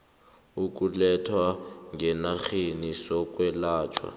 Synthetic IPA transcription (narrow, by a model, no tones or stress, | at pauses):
uk̬ʼulɛtʰwaŋʱɛnaxenisɔkʼwɛlaːt͡ʃʰʼwa̰